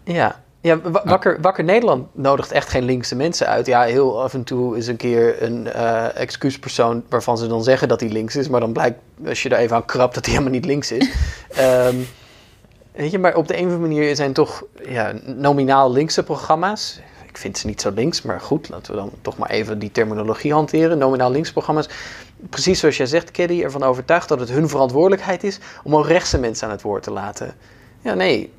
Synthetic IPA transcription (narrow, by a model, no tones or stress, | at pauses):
jaː | jaʋɑkəɹʋɑkəɹnejdəɹlɑntnowdəχtɛχtχejnlɪŋksəmɛnsəœ̰ɥtjaɦɪːlˠɑfəntuɪs̬ənkɪːɹənːɛ̰kskyspəɹsownʋaːɹv̥ɑnzədɑnzɛχəndɑtilɪŋksɪsmaːɹdɑnblɛjk̚t | ɑ̰ʃjədaɹejvənaːnkrɑp̚d̥ɑtiɦeləmlˠnitlɪŋksɪsəm | ʋejtəmaːɹʔɔb̚dəejnəəmaniːɹzɛjntɔχja̰ːnowminaːlˠlɪŋksəproχrɑmaːsɪkfɪntsənitsowlɪŋksma̰ːɹχutla̰ːtəʋə̰dɑ̰ntɔχma̰ːɹʔḛjvəditɛɹminoloχiɦɑntɪːrənːowminaːlˠəlɪŋksəproχrɑmaːs | prəsisoɑsjəzɛχtkɛdiɛ̰ɹvɑnowvəɹtœɥχtdɑtətɦɵnvərɑntʋʊːɹdələkɦɛjtɪsɔmokrɛχsəmɛnsəaːnɦətʋʊːɹtəlaːtʰə̰ | jaːnej